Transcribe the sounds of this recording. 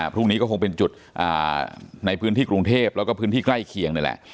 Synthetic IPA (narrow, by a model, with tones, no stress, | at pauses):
pʰɾuː˥˩ŋniː˦˥kɔː˥˩o˧ŋpe˧nt͡ɕu˨˩t̪̚ | ʔa̰ː˨˩na˧jpʰɯː˦˥nt̪iː˥˩kɾu˧ŋt̪ʰeː˥˩p̚lɛː˦˥wkɔː˥˩pʰɯː˦˥nt̪ʰiː˥˩kla˥˩jkʰi˧əŋna˧˥˩lɛ̰˨˩ʔ